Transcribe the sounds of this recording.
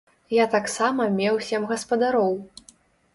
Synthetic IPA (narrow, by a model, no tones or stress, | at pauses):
jat̪aksamɐmʲɛwsʲɛmɣɐspɐd̪aɾɔw